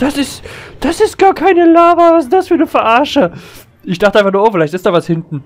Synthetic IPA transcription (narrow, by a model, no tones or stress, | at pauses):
d̥asɪstd̥asɪstɡ̥aːɐkʰaɪnəlaːvɐvasɪnd̥asfyːɐnəfɛɐʔaɐʃə | ʔɪçd̥aχtəaɪfaχnuːɐʔoːfɪlaɪçtɪsd̥aːvashɪntn̩